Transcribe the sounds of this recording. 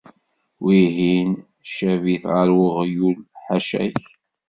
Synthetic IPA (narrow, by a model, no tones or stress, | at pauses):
wiɦin | ʃæviθʁəɾwəʁjulħaʃæ̰ç